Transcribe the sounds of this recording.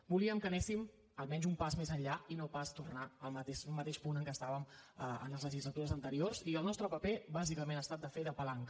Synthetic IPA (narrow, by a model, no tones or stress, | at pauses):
buliəmkənesim | əlˠmɛnzumpazmezəʎʎainopast̪urnaəlˠmət̪eʃmət̪eʃpunəŋkəst̪aβəməə̰nləzləʒizlət̪uɾəzənt̪əɾiorziəlˠnɔst̪ɾəpəpebazikəmẽnəst̪at̪̚d̪əfeðəpəlaŋk